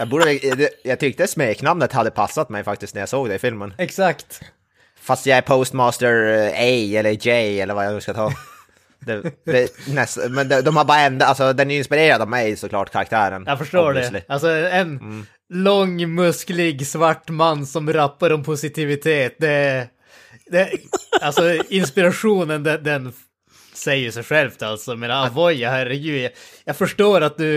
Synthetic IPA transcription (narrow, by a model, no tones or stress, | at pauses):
jɑɡbuːɖəɛɛjɑɡ̚t̪ʰʏk̚t̪əsmeːknamnət̪had̪ːəpʰasːat̪mɛjfakt̪ɪst̪næɾjɑsoːɡd̪ɛɪfɪlmənɛksakt̪ | fast̪jɑɡɛɾpʰost̪mɑːst̪əɾɛjɛlːəɾd͡ʒɛjɛlːəɾvajɑɡnʉ̟ːskat̪ʰɑː | d̪ɛɛnɛsmɛnd̪ɛd̪ɔmhaɾbɑːɾaɛnd̪alsɔd̪ɛnɪnspɪɾeːɾad̪avmɛjsɔkʰlɑːʈkʰaɾak̚t̪ʰæːɾənjafɔʂʈoːɖɛslɪalsɔɛɛnː | lɔŋːmɵsklɪɡsvaʈːmanːsɔmɾapːaɾɔmpʰʊsɪt̪ʰɪvɪt̪ʰeːt̪̚d̪ɛ | d̪ɛalsɔɪnspɪɾaɧuːnənd̪ɛd̪ɛn | sɛjːəʂɛjɧɛlft̪alt̪sɔjmeːnaɾavɔjːhæɾɛɡʉ̟ːjajaːɡfœʂʈoːɾat̪̚d̪ɵ